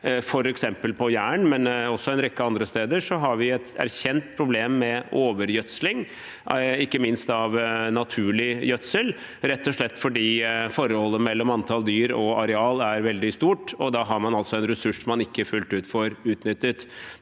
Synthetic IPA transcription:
fɔɾɛksɛmpəlpʰɔjæːɳmɛnɔsːɔɛnɾɛkːəɑnd̪ɾəst̪eːd̪əʂɔɦɑɾʋɪɛt̪æ̰ɾçɛnt̪̚pʰɾʊbleːmːɛʔoːʋəɾjœt̪slɪŋ | ɪkːəmɪnst̪ɑʋnɑt̪ʰʉːɭɪjœt̪səl | ɾɛt̪ːɔʂɭɛt̪ːfɔɖiːfɔɾːəhɔlːəmɛlːɔmɑnt̪ʰɑld̪yːɾɔɑɾɛɑːlæɾʋɛld̪ɪst̪uːʈɔd̪ɑɦɑɾmɑnɑlt̪sɔɛnɾɛsʉʂɔmɑnɪkːəfʉlt̪ʉːt̪fɔɾʉːt̪nʏt̪ːət̪

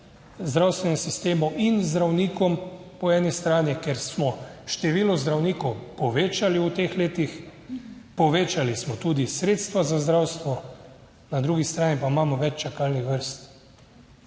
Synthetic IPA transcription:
zd̪ɾawst̪ʋɛnɛsist̪eːmɔwinzd̪ɾawniːkɔm | pɔɛːnist̪ɾaːnikɛɾsmɔʃt̪ɛʋiːlɔzd̪ɾawniːkɔwpɔʋeːt͡ʃaliut̪eːxleːt̪ix | pɔʋeːt͡ʃalismɔt̪uːd̪isɾeːt̪st̪ʋazazd̪ɾawst̪ʋɔ | nad̪ɾuːɡist̪ɾaːnipaimaːmɔʋɛt͡ʃt͡ʃakaːlnixʋəɾst̪

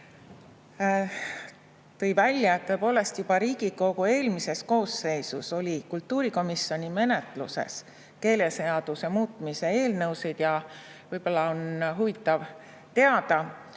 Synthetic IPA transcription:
t̪ɤ̞jvælʲjɑet̪ːɤ̞epo̞ːle̞st̪jub̥ɑɾiːɡ̥iko̞ɡ̥ue̞ːlmise̞sko̞ːsːe̞jsuso̞lʲikult̪ˑːuːɾiko̞miso̞nʲime̞ne̞t̪ˑlṵse̞̰s | ke̞ːle̞se̞ɑd̪̥usemuːt̪ːˑmise̞eːlnɤwsijd̪̥jɑ | vɤjb̥o̞lːɑonɦuvit̪ˑːɑv | t̪e̞ɑd̪̥ɑ

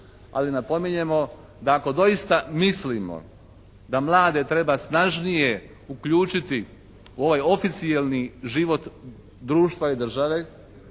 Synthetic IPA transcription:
a̰linapo̞miɲe̞mo̞ | d̪aːko̞d̪o̞jist̪amislimo̰ | d̪amlˠaːd̪e̞t̪ɾe̞basnaʒnije | ukʎuːt͡ʃit̪i | uo̞ʋajo̞fit̪sijelniʒiʋo̞t̪ | d̪ɾuːʃt̪ʋaid̪r̩ʒaʋe̞

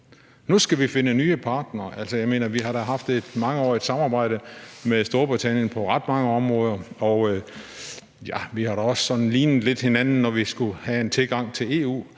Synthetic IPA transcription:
nusɡ̥æʋife̝nənyːəpʰɑ̈ːd̥nɐːʔæl̰sɒjɑ̈ɪme̝̰ːnɐʋiɦɑ̈ɾ̥æɦɑ̈fd̥ed̥mɑ̈ŋəɒ̰ːid̥sɑ̈mɑ̈ːb̥ɑ̈ɪ̰ɾ̥əmeðˠsd̥o̝ɐb̥ʁit͡sʰæn̰jənpʰɒ̽ʁɑd̥mɑ̈ŋəɒ̽mʁɔ̽ːðˠɐɒ | jæʋihɑ̈ɾ̥æɒ̽ssɒ̽nn̩liːnð̩ˠle̝d̥he̝nænn̩nɒʋisɡ̥uhæent͡sʰe̝lɡ̥ɑ̈ŋ̰t͡sʰe̝le̝̰ːṵː

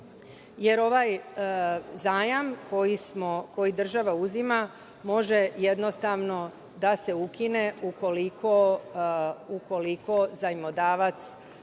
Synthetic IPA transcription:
je̞ɾo̞ʋaj | zaːjamkʰo̞jismoko̞jid̪r̩ʒaʋauzima | mo̞ʒe̞je̞d̪no̞st̪aʋno̞ | d̪ase̞ukine̞uko̞likʰo̞ | uko̞liko̞zaimod̪aːʋat̪s

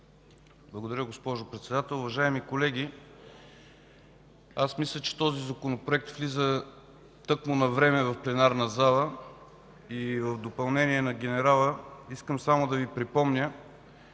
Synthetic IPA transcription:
blˠɐɡod̪ɐɾʲəɡospɔʒopɾɛt̪sɛd̪at̪ɛlˠʊvɐʒaɛmikolɛɡʲi | asmislʲət͡ʃɛ̥t̪ɔzizɐkonopɾoɛk̚t̪flizə | t̪ɤkmonɐvɾɛmɛvɐfplɛnaɾnɐzalˠə | ivəvd̪opɐlˠnɛniɛnɐɡʲɛnɛɾalˠəiskəmsamod̪ɐvipɾipɔmnʲə

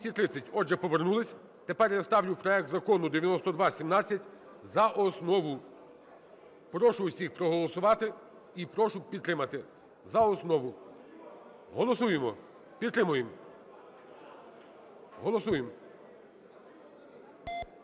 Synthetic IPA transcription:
sʲit̪ɾɪt͡sʲːɐtʲɔʒɛpɔʋernulˠɪsʲ | t̪e̞pɛrjɐst̪ɑʋlʲʊpɾɔɛk̚t̪zɐkɔnʊd̪eʋʲjɐnɔst̪ɔd̪ʋɑsʲimnɑt͡sʲːɐtʲ | zɐʔɔsnɔʋʊ | pɾɔʃʊwsʲixpɾɔɦɔlˠɔsʊʋɑt̪ɪ | ipɾɔʃʊpʲid̪t̪ːɾɪmɐt̪ɪ | zɐɔsnɔʋʊ | ɦɔlˠɔsujemɔ | pʲid̪t̪ɾɪmʊjem | ɦɔlˠɔsujem

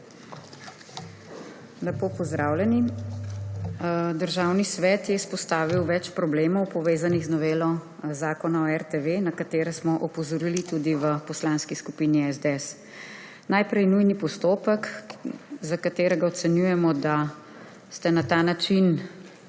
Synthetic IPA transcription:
lɛpopɔzd̪ɾaːwlʲjɛni | d̪əɾʒaːwnisʋɛːt̪jɛispɔst̪aːʋiwʋɛt͡ʃpɾɔbleːmɔwpɔʋeːzaniɣznɔʋeːlɔ | zaːkɔnaɔɛɾt̪eʋenakat̪eːɾɛsmɔʔɔpɔzɔɾilit̪ud̪iʋəpɔslaːnskiskupiːniɛzd̪eɛs | najpɾɛjnujnipɔst̪oːpək | zakat̪eːɾɛɡaɔt̪sɛnjujɛmɔd̪a | st̪ɛnat̪aːnat͡ʃin

